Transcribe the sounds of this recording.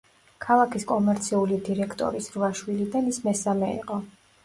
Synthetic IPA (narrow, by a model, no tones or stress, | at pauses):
kʰalˠakʰiskʼɔmɛɾt̪sʰiulid̪iɾɛkʰt̪ʼɔ̰ɾisɾvaʃwilid̪anismɛsamɛḭqʼɔ